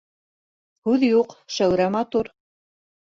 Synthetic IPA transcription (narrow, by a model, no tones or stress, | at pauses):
hʉðjuqʃæwɾæmɑt̪uɾ